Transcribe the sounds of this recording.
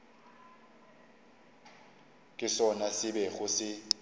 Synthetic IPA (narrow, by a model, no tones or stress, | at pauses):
kʼɪsɔnasɪbɛɣʊsɪ